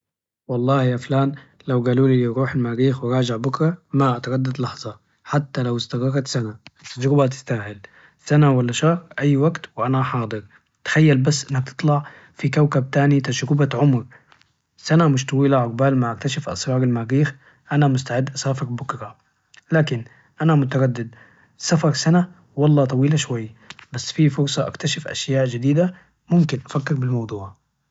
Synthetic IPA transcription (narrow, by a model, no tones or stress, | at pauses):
wɑlˤːɑːhjaːflaːn | lawɡaːluːliɾuːħalmaːɾiːxwɪɾˤɑːd͡ʒɪʕbʊkɾˤɑmaʔat̪ɑɾɑd̪ːad̪lɑħzˤɑ | ħat̪ːalawɪst̪ɑɣɑɾt̪sanaɪt̪ːad͡ʒɾɪbat̪̬ɪ̥st̪aːhɪl | sanawalːaʃɑɾʔajːwaɡt̪wʔanaħɑːd̪ˤɨɾ | t̪ḁxajːalbasːʔɪnːakt̪ɨ̥t̪ˤlɑʕ | fikawkab̚t̪aːnit̪ad͡ʒɾɪbaʕʊmɾ | sanamʊʃt̪ˤɑwiːlaʕʊɡ̚baːlmaʕʔakt̪aʃafʔɑ̰sɾˤɑːɾalmaːɡiːx | ʔanamʊst̪aʕɪd̪ːʔasaːfɪɾbʊkɾɑ | laːkɪn | ʔanamʊt̪̬aɾad̪ːɪd̪̚ | safɑɾˤsana | wɑlˤːɑːt̪ˤɑwiːlaʃwajːbasːfifʊɾsˤɑʔa̰kt̪aʃɪfʔa̰ʃjaːʔd͡ʒɪd̪iːd̪a | mʊmkɪnʔafakːɪɾbɪlmɑwd̪ˤuːʕ